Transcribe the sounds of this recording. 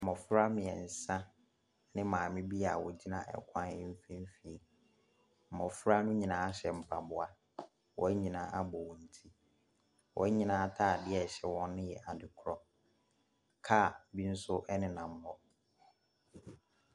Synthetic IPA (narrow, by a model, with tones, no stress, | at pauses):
m̩˨mɔ̃˨fɾa˦mɪ̃˨ɛ˨n̩˨sã˦ | nɪ̃˦mãː˨mɪ̃˦bi˦a˨wɔ˨d͡ʑi˦nã˦ʔɛ̰˦kʷʰã˦nɛ˦m̩˦fĩ˦m˦fi˨e˨ | m̩˨mɔ̃˨fɾa˦nʊ̃˦ɲĩ˨nãː˨˦a˦ɕɛ˨m̩˨pʰa˨bʊ˨a˨ | wɔ̰˦ɲĩ˨nãː˨˦ʔa˦bɔ˨wɔ̃˨n̩˨tʰi˦ | wɔ̰˨˦ɲĩ˨nãː˨˦tʰa˦˨dɪ˦ɛ˨ɕɛ˨wɔ̃˦nːʊ̃˦jɛ˨ʔa˨dɪ˨kʰɾɔ˦ | kʰa˦˨˦bi˦n̩˦sʊ˦ʔɛ˦nɪ̃˦nã˨m̩˦mɔ˦